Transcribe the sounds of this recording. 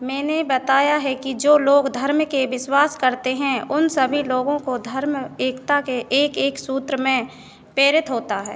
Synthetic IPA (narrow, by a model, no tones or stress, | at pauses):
mɛ̃ːnebɐt̪aːjaɦɛkid͡ʒoːloːɡd̪ʱɐɾmkeʋɪswaːskɐɾt̪eɦɛ̃ʊnsəbʱiloːɡõkod̪ʱɐɾmeːkt̪akeʔeːkeːksuːt̪ɾəmẽ | pɾeːɾɪt̪ɦoːt̪aɦɛ̰ː